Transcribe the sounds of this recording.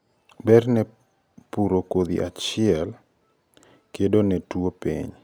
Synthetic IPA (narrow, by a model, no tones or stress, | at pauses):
bɛrnɛ | puɾokod̪ḭʔat͡ʃɪɛl | kedonɛtwopḭɲ